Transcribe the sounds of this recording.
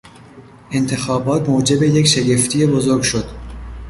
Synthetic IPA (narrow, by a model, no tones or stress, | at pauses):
ʔe̞nt̪ʰe̞xɒːbɒːt̪moːd͡ʒe̞be̞jekʃeɟeft̪ʰijebozo̞ɾɡʲʃo̞d̪̥